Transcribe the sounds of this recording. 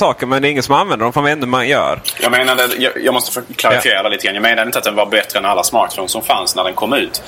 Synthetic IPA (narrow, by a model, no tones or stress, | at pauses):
sɑːkəɾmɛnd̪ɛːɾɪŋːət̪sɔmanvɛnd̪əɾɔmfanvɛnːəmanjœ̰ːɾjɑ̰ːɡmeːnad̪əjɑ̰ːjɑːɡmɔst̪ə̥foːkʰlaɾɪfɪjeːɾad̪ɛlit̪ɡɾanjɑːmeːnad̪ɪnt̪at̪d̪ɛnvaɾbɛt̪ɾəɛnalːasmɑːkfunsɔmfansnæɖɛnkʰɔmːʉ̟ːt̪